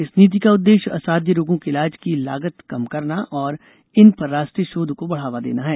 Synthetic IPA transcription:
ɪsniːt̪̬ikaʊd̪ːeːʃɐ̰saːd̪ʱjəɾoːɡõkeɪlaːd͡ʒkila̰ːɡət̪kɐmkɐɾnaʔɔːɾ | ɪnpɐɾːaːʃʈɾiəʃoːd̪ʱkobɐɽ̤aːʋad̪ḛːnaɦɛː

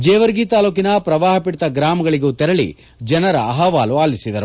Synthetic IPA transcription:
d͡ʒɛːʋɐɾɡiːt̪aːluːkinɐpɾɐʋaːɦɐpiʈt̪ɐɡɾaːmɐɡɐɭiɡuːt̪ɛɾɐɭḭ | d͡ʒɐnɐɾɐːɦɐʋaːluaːlisid̪ɐɾu

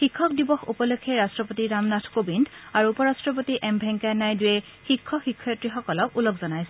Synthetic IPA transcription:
xikʰːɔk̚dibɔxṵpɔlokʰːɛɹastɹɔpotiɹamnatʰkobindaɹuupɔɹastɹɔp̬otiʔɛmbʱɛŋkajnajdujɛ | xikʰːɔxikʰːɔjtɹixɔkɔlɔkulokzɔnajsɛ

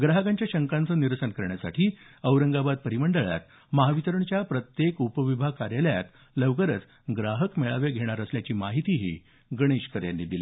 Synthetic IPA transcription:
ɡɾaɦəkaɲt͡ɕjaɕəŋkant͡səːniɾsənkəɾɳjasa̰ʈʰiːəʋɾəŋɡabad̪̚pəɾiməɳɖəɭja̰t̪ | məɦaʋit̪əɾəɳt͡ɕjapɾət̪jekupəʋibʱakaɾjaləja̰t̪ | ləʋkəɾət͡s | ɡɾaɦəkmeɭaʋeɡʱeɽ̃aɾəsljat͡ɕiːmaɦit̪iɦḭː | ɡəɽ̃eɕkəɾja̰nːid̪ile

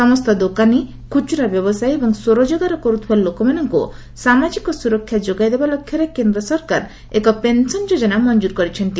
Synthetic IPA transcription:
sɔmɔst̪ɔd̪okani | kʰut͡ʃuɾabjɔbɔsajebɔŋsoɾɔd͡ʒɔɡaɾɔkɔɾut̪ʰibalokɔmanɔŋkṵ | samad͡ʒikɔsuɾɔkʰːjad͡ʒoɡajd̪ebalɔkʰjɔɾekend̪ɾɔsɔɾkaɾ | ekɔpensɔnd͡ʒod͡ʒɔnamɔnd͡ʒuɾkɔɾit͡ʃʰɔnt̪i

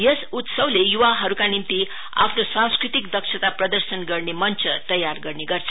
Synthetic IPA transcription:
jʌsut̪sʌwlejuʋaɦʌɾukanimt̪i | a̰pʰnosãw̃skɾit̪ikd̪ʌkʂʰʌt̪aprʌd̪ʌɾsʌnɡʌrnemʌnt͡sʰʌt̪ʌjarɡʌrneɡʌrt͡sʰʌ̥

